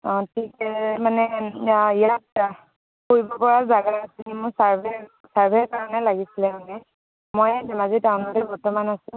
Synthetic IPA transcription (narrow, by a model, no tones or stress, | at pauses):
ɔtʰikɛmanɛijat̚ | koɹibɔpɔɹazaɡaasikimʊsaɹbɛ | saɹbʱɛɹkaɹɔnɛlaɡisilɛmanɛ | mojdɛmazitaʊ̃nɔtɛbɔɹtɔmanasʊ̃